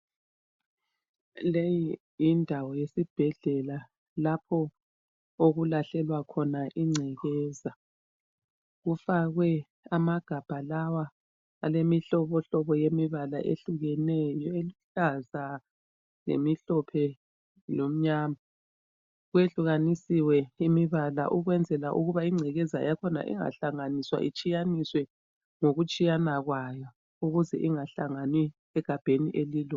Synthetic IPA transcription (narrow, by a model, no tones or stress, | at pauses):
leji | indʱawɔjesib̥ʱɛɮɛla | lapʰɔ | oɣulaɬɛlwakʰɔnaʔiŋ͡ǀʱɛɣɛːza | ɣufaɣwɛ | amaɡ̥ʱab̥ʱalawaː | lemiɬɔβɔɬɔβɔjemiβala̰ʔḛɬuɣɛnɛjɔeluɬaza | lḛmiɬɔpʰɛ | lom̩ɲaːma | ɣweɬuɣanisiwɛimiβala̰ʔuɣwɛnd͡zʱɛlaʔuɣuβaiŋ͡ǀʱɛɣɛza̰jakʰɔna̰ʔḭŋa̰ɬaŋaniswa̰ʔḭt͡ʃʼijaniswɛ | ŋoɣut͡ʃʼijanaɣwajɔ | uɣuzɛʔiŋaɬaŋanwi | ɛɡ̥ʱab̥ʱeniʔeliːlɔ